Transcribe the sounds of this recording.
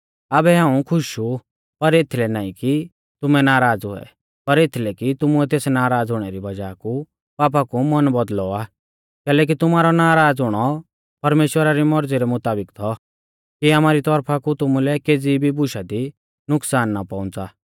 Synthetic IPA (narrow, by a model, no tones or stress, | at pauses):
abɛɦãːũkʰʊʃu | pɐɾeːt̪ʰilɛnaːĩki | t̪ʊmɛnaːɾaːd͡zʊɛ̰ | pɐɾet̪ʰilɛkit̪ʊmuɛt̪eːsnaːɾaːd͡zɦʊɽ̃ɛɾibɐd͡ʒaːku | paːp̬akumɔnbɔd̪lɔaː | kɛːlɛːk̬it̪ʊmaːɾɔnaːɾaːd͡zɦʊɽ̃ɔ | pɐɾmeːʃwəɾaɾimɔɾd͡ziɾɛmʊt̪aːbɪkt̪ʰɔ | kiamaːɾit̪ɔɾpʰakut̪ʊmulɛkeːd͡zibʱibʊʃad̪i | nʊksaːnːapãʊ̃nt͡saː